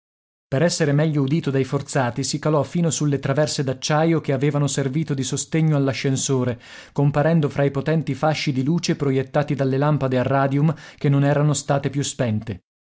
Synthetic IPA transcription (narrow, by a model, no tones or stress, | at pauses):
peɾɛsːeɾemɛʎːoud̪iːt̪od̪ajfort̪saːt̪isikalɔfiːnosulːet̪ɾavɛrsed̪at͡ʃːajok̟eaveːvanoserviːt̪od̪isost̪eɲːoalːaʃːensoːɾe | kompaɾɛnd̪ofɾaipot̪ɛnt̪ifaʃːid̪iluːt͡ʃepɾojet̪ːaːt̪id̪alːelampad̪earːaːd̪iumk̟enːonɛːɾanost̪aːt̪epjuspɛnt̪e